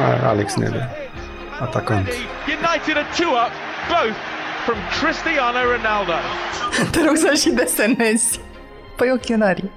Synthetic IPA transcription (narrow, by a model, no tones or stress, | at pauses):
a̰a̰lɛksnḛd̪ə | at̪akʰant̪ | jɨnaɪtɨɾɨtʰʉʌp | b̥oʊθfɹʌ̃mkʰɹ̥ɪstiɑnəɹɨnalˠdəd̪̥eɾoɡsəʃid̪esenes | pəjokʲeɨnaɾi